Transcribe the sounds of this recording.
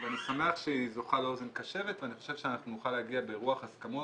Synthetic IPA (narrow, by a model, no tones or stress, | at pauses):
veanisame̞aχʃeizo̞χaleo̞ze̞nkaʃe̞ve̞t̪veaniχo̞ʃe̞v̥ʃeanaχnunuχalehaɡiabeʁuaχaskamo